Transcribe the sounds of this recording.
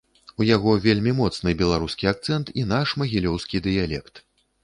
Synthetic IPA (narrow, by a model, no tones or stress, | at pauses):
ujaɣɔvʲelʲmʲimɔt̪snɨbʲɛlˠaɾuskʲiak̚t̪sɛnt̪inaʂmɐɣʲilʲɔwskʲid̪ɨjalʲɛkt̪